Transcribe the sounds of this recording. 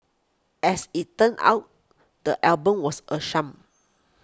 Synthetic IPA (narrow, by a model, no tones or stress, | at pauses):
ɛsitːə̃na̰wt̚ | dəʔɛlbə̃mwɔsʔəʃãm